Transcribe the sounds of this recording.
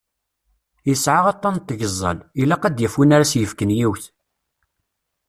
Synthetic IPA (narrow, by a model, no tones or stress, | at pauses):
jəsʕaʁɑt̪ˤːɑnt̪ːəʝəzˤːə̰lilæqæd̪jəfunaɾasjəfkənjiwθ